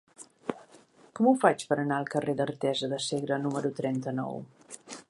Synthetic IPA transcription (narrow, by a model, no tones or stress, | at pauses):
kɔmufat͡ʃpəɾənaəlˠkəreðərt̪ɛzəðəseɣɾənuməɾut̪ɾɛnt̪ənɔ̰w